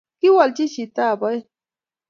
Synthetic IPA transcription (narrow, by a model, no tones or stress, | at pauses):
kɪwalt͡ʃɪʃit̪aːpaj